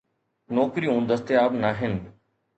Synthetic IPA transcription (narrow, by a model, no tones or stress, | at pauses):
nɔːkɾiɦũːn̆d̪əst̪eaːbnaːɦɪnɪ̆